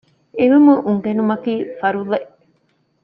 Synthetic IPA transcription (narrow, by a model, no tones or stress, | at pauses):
eʋimuʔuŋɡenumɐkiːfɐɾuleʔ